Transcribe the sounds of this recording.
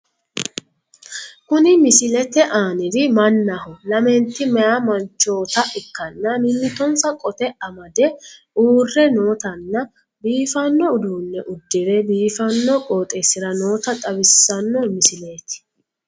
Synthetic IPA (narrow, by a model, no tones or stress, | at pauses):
kʊnɪmɪsɪlɛt̪ɛʔaːnɪd̪ɪmɐnːɐhʊlɐmɛnt̪ːɪmɛjamɐnt͡ʃːo̞ːt̪ɐʔɪkːɐnːɐmɪnːɪt̪ɔnsɐkʼɔt̪ɛɐmɐd̪ɛ | uːrːɛno̞ːt̪ɐnːɐ | biːfɐnːɔʊd̪uːnːɛʔʊd̪ːɪɾebiːfɐnːɔkʼo̞ːt̪ʼesɪɾɐno̞ːt̪ɐt̪ʼɐbɪsːɐnːɔmɪsɪleːt̪ɪ̥